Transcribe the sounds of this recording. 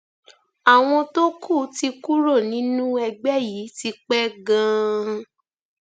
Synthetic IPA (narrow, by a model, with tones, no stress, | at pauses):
a˨w̃ɔ̃˧to˦kʰu˦˨˦ti˧ku˦ɾo˦˨nĩ˨˦nũ˦ɛ˧ɡ͡bɛ˦ji˨˦ti˧k͡pɛ˦ɡã˦˧